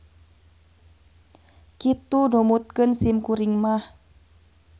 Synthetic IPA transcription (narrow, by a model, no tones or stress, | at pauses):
kit̪udomut̪̚kənsimkuɾiŋmah